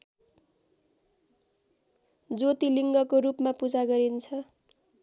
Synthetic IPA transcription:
d͡zot̪iliŋɡʌkorupmapud͡zaɡʌɾint͡sʰʌ

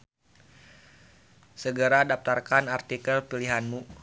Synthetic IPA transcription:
səɡəɾadap̚t̪arkanart̪ikəlpiliɦanmu

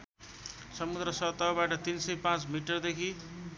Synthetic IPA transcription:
sʌmud̪ɾʌsʌt̪ːawbaʈʌt̪insʌjpãt͡smiʈʌrd̪ekʰi

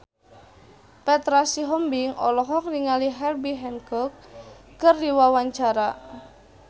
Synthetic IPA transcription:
pɛt̪ɾasiɦɔmbiŋɔ̰lɔɦɔk̚niŋaliɦɛlbiɦɛnkɔkː | ərdiwawaɲt͡ʃaɾa

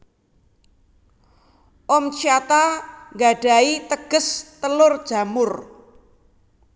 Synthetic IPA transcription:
ʔɔmt͡ʃiat̪aŋɡaɖ̥a̤it̪əɡ̥əst̪əlʊrd̥ʒ̥a̤mʊr

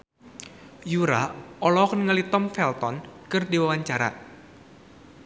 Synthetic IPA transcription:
juɾaɔlɔknŋəlit̪ɔmfɛlt̪ɔnkɨrdiwawaɲt͡ʃaɾa̰

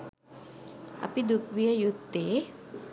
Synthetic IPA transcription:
ʔa̰pid̪uk̚wiajut̪ːe

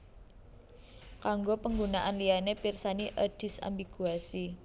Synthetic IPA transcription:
kaŋɡopəŋɡunaʔanlianepirsaniʔəd̥ɪ̤sa̰mbiɡ̥uasi

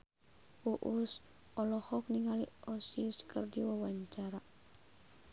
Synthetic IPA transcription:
puʔus | ɔlɔhɔk̚niŋaliɔsiskərdiwawaɲt͡ʃaɾa

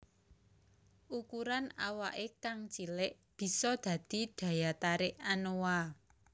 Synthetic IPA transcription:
ʔukuɾanawaʔekaŋt͡ʃilɪʔ | b̥i̤sɔd̪̥ä̤d̪̥i̤d̪̥ä̤jat̪aɾɪʔanowa

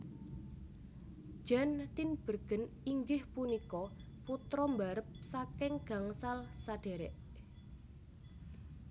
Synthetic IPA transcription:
ʒ̥a̤nt̪inb̥ə̤rɡ̥ə̤n | iŋɡɪhpunikɔ | put̪ɾɔmbaɾəp̚sakɪŋɡ̥a̤ŋsalsaɖ̥e̤ɾɛ̰ʔ

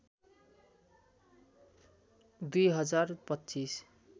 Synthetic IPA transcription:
d̪ujɦʌd͡zarpʌtːt͡ʃis

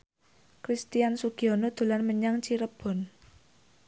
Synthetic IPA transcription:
kɾist̪iansuɡ̥iɔnod̪̥ṳlanməɲaŋt͡ʃiɾəb̥ɔ̤n

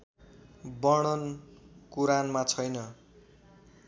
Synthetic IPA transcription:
bʌɽ̃ʌnkuɾanmat͡sʰʌjnʌ

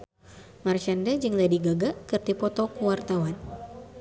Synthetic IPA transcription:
mart͡ʃandad͡ʒɨŋladiɡaɡakɨrt̪ipɔt̪ɔkuwart̪awan

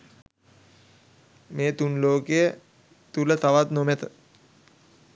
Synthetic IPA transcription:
meːt̪unloːkejə | t̪ulət̪aʋat̪nomet̪ə

